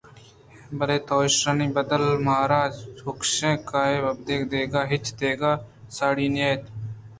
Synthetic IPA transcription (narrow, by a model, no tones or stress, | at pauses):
bəleːt̪oːʃɾəniːbəd̪əlmaːɾaːd͡ʒʊkʃẽːkaːeːəbd̪eːkd̪eːɡaːɦɪt͡ʃʰd̪eːɡaː | saːɽiːnɪjaːt̪